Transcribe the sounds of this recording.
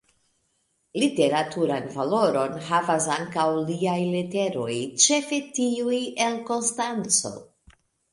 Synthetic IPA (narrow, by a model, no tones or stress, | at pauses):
lite̞ɾatuɾanvalo̞ɾo̞nɦavasaŋkawliajlete̞ɾo̞jt͡ʃe̞fe̞tiuje̞lko̞nstant͡so̞̰